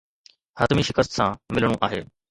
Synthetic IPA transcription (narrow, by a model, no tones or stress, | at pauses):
hət̪miːʃɪkəst̪sãːmɪlɽũʔaːɦḛː